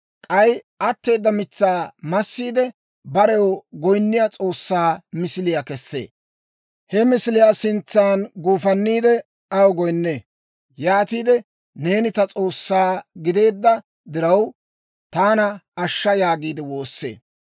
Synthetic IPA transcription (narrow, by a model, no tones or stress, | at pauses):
kʼɐjʔɐt̪ːe̞ːd̪ːɐmɪt͡sːaːmɐsːiːd̪ɛ | bɐɾɛwɔɡɔjnːɪjat͡sʼo̞ːsːaːmɪsɪlɪjakɛsːḛː | hɛmɪsɪlɪjaːsɪnt͡sːaːnɡuːfɐnːiːd̪ɛ | ɐwɡɔjnːeː | jaːt̪iːd̪ɛ | ne̞ːnɪt̪ɐt͡sʼo̞ːsːaːɡɪd̪e̞ːd̪ːɐ | d̪ɪɾɐw | t̪aːnɐɐʃːɐjaːɡiːd̪ɛwo̞ːsːe̞̰ː